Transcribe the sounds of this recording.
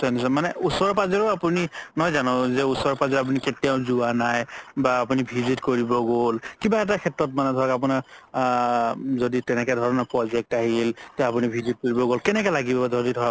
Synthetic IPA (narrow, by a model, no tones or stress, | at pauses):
sɔnisamanɛusɔɹɔpazɛɹʊapuninɔjzanɔ̃zɛusɔɹɔpazɛɹap̬uniketijaʊ̃zuanajbaːp̬unibʱizitkoɹibɔɡolkibaɛt̬akʰɛtɹɔt̚manɛdʱɔɹakap̬unaɹ | zoditɛnɛkɛdʱɔɹɔnapɹɔzɛk̚taɦiltɛap̬unibʱizit̚koɹibɔɡolkɛnɛk̬ɛlaɡibɔadʱɔɹdidʱɔɹa